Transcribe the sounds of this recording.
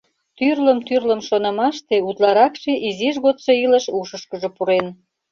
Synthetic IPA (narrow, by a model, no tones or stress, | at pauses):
t̪yrləmt̪yrləmʃonə̆mɑʃt̪eut̪lɑɾɑkʃeʔiziʒɣot̪ʃoiləʃuʃəʃkəʒopuɾen